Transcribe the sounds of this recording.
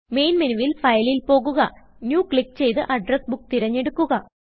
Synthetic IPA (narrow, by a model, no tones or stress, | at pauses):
me̞jnminuʋilfɐjɐlilpo̞ːɣuɣɐnjuːkɭik̚t͡ɕe̞jt̪ɨʔɐɖrɐsbuk̚ːt̪iɾɐɲːe̞ɽukːuɣɐ